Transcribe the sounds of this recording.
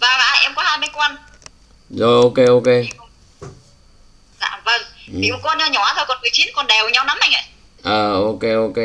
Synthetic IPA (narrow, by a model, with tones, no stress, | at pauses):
vaː˨˩va̰ː˧˨ʔɛ˧mkɔ˨˦haː˧jmɓe˧ŋkwa˧n | zo˧˩jʔo˧ke˧ʔo˧ke˧ | za̰ː˧˨mvə˧˩ŋ˨ḭ˨ʊ˨˩kɔ˧nɲaː˧ɲɔ˨˩aː˨t̪ʰo˧˩kɔ˨˩nmɨ˨˩əjt͡ɕi˨˦nkɔ˨˩nɗɛ˨˩wɲa˧wna˨˦mha˨˧jŋʔə̰˧˨j | ʔəː˨˩ʔo˧ke˧ʔo˧ke˧